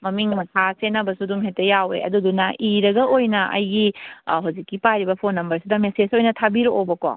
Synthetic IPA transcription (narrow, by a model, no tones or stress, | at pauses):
mɐmiŋmɐtʰasenɐbɐsuduŋɦetːɐjawḛɐ̰dudunɐʔiɾɐɡɐʔojnɐʔɐ̰jɡiɦawzikːipajɾibɐpʰonːɐmbɐɾsidɐmesed͡ʒojnɐtʰabiɾoobɐko̰